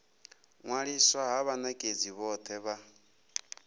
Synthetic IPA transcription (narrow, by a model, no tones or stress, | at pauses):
ŋwaɺiswaɦaβanakʼed͡ziβɔt̪ʰɛβa